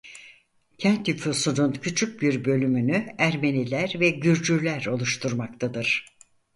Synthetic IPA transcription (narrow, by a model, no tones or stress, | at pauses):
cʰænt̪jyfusununcʰyt͡ʃʰyc̚biɾbø̞lʲymynyæɾme̞nilʲæɾvɛɟyɾd͡ʒyɾlʲæɾo̞lˠuʃt̪ʰuɾmak̚t̪ʰad̪ɯɾ̥